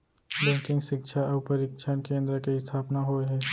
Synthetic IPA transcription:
bɛ̃ːŋkɪ̃ŋɡʃɪkʃʰaɐːpəɾɪkʃʰaːnkẽːnd̪ɾəkeɪst̪ʰaːpnaɦoeɦɛː

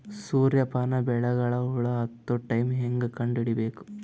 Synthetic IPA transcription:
suːɾjɐpɐnɐbɛɭɐɣɐɭɐuɭɐɐt̪ːuʈɐjmɦeŋɡɯkɐɳɖiɽibeːku̥

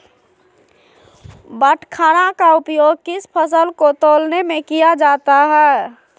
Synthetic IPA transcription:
bəʈʰkʰanakaupjoːɡ̚kispʰəsəlkot̪olnemẽkijad͡ʒat̪aɦɛ

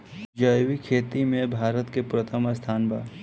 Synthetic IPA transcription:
d͡ʒəjwikʰeːt̪imẽbʱaːɾət̪kepɾət̪ʰəməst̪ʰaːnba̰ː

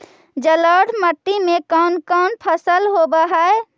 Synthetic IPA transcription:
d͡ʒələɽmət̪ːimekɔːnkɔːnpʰəsəlɦobəɦae

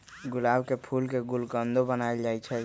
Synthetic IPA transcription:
ɡulabkepʰulkeɡulkənd̪ʱobənaeld͡ʒajt͡ʃʰɛ

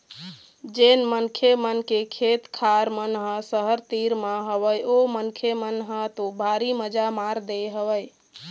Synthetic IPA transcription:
d͡ʒenmənkʰemənkekʰet̪kʰaɾmənɦə̃səɦəɾt̪iɾmaɦəβəjomənkʰemənɦət̪obʱaɾiməd͡ʒamaɾd̪eɦəbəj

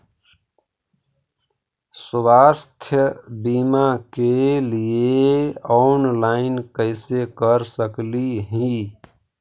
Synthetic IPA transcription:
swaːst̪ʰjəbiːmakelieɔːnlaːɪnkəɪsekəɾsəkliɦĩ

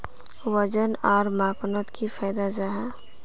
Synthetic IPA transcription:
wəd͡ʒənɔːɾmaːpnət̪kʰifʰɛːd̪ad͡ʒaɦa

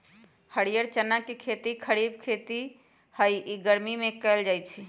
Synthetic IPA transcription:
həɽijəɾt͡ʃənakekʰet̪ikʰəɾib̚kʰet̪i | həjiɡəɾmimekəld͡ʒajt͡ʃʰi

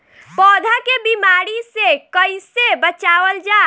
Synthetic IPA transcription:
pɔːd̪ʱakebimaɾisekəɪsebət͡ʃaːʋəld͡ʒaː

